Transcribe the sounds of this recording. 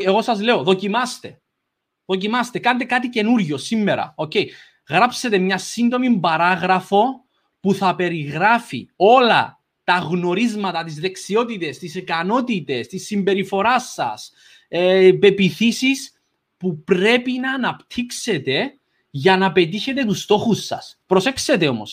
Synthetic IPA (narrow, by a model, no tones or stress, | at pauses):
eɣo̞sɐzle̞o̞ðo̞cimɐst̪e̞ | ðo̞cimɐst̪e̞kɐnt̪ekat̪ice̞nuɾʝo̞simːe̞ɾɐ̰o̞ce̞j | ɣɾapset̪e̞mɲɐsind̪o̞mimbɐɾaɣɾɐfo̞ | puθɐpe̞ɾiɣɾafḭo̞lɐ̰ | t̪ɐɣno̞ɾizmɐt̪ɐt̪izðe̞ksio̞t̪it̪e̞st̪isikɐno̞t̪it̪e̞st̪isːimbe̞ɾifo̞ɾasːɐ̰s | epe̞piθisis | pupɾe̞pinɐːnɐpt̪ʰikse̞t̪e̞ | ʝɐnɐpe̞t̪̬içe̞t̪e̞t̪ust̪o̞xusːɐ̰spɾo̞se̞kse̞t̪e̞o̞mo̰s